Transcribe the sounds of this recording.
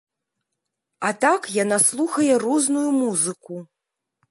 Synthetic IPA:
at̪akjanaslˠuxɐjɛruznujumuzɨku

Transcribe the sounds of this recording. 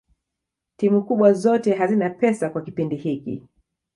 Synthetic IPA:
timukuɓwazɔtɛɦazinapɛsakwakipindihikḭ

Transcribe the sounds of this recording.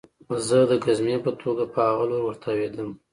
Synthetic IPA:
zəd̪əɡazmepət̪ʰoɡapəhaɣaloɾwəɾt̪ʰawed̪əm

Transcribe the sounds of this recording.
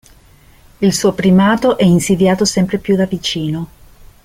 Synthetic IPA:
ilsuːopɾimaːt̪oʔɛinsid̪jaːt̪osɛmpɾepjud̪avit͡ʃiːno

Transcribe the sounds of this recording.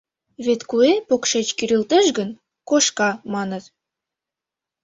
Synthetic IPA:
βet̪kuepokʃet͡ɕkyɾilt̪ə̆ʃɡə̆n | koʃkɑmɑnə̆t̪

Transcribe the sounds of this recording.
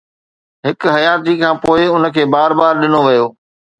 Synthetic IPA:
ɦɪkɦɐjaːt̪ikʰãːpoːɪʊnə̆kʰeːbaːɾbaːɾɗɪnoʋɐjoː

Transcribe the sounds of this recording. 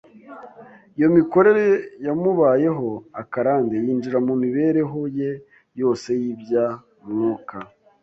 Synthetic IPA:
ijo̞miko̞ɾe̞ɾe̞jamuβaːje̞ɦo̞akaɾaːndejiːnd͡ʒiɾamumiβe̞ɾe̞ɦo̞je̞ | jo̞ːse̞jibja | mŋuːka

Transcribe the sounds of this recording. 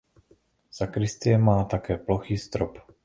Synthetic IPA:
z̥akɾɪst̪ɪɛmaːt̪akɛːploxiːst̪ɾop

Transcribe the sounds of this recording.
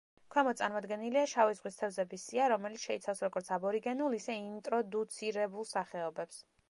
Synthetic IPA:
kʰwɛmɔt̪sʼaɾmɔd̪ɡɛniliaʃavizʁwist̪ʰɛvzɛbisiaɾɔmɛlit̪sʃɛit̪sʰafsɾɔɡɔɾt̪sʰabɔɾiɡɛnulˠisɛint̪ʼɾɔd̪ut̪sʰiɾɛbulˠsaχɛɔbɛps

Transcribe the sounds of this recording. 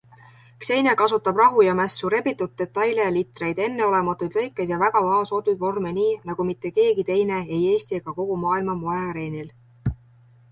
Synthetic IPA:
kse̞jnekɑsut̪ːˑɑb̥rɑɦujɑmæsːuɾe̞bit̪ːˑut̪̚ːe̞t̪ːˑɑjlejɑlit̪ːˑre̞jd̪̥e̞nːe̞o̞le̞mɑt̪ːˑujd̪̥lɤ̞jkːˑed̪̥jɑvæɡ̥ɑvɑɦɑso̞ːt̪ˑud̪vo̞rmeniːnɑɡ̥umit̪ːe̞ke̞ːɡ̥it̪e̞jne̞e̞je̞ːst̪ie̞ɡ̥ɑko̞ɡ̥umɑːilmɑmojɑɾe̞ːnil

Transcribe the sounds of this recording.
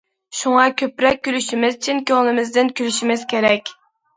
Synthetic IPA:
ʃuŋɑkʲʰøpɾɛk̚ʲːylyʃimɪzt͡ʃʰinkʲøŋlˠɨmɪzd̪ɪnkʲylyʃimɪz̥kʲeɾɛkʲ

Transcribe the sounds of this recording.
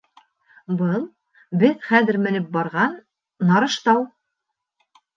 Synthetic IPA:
bɤlˠ | bɘðχæðɘ̆ɾmɘ̆nɘp̚bɑɾʁɑnː | ɑɾɤ̆ʃt̪ɑw

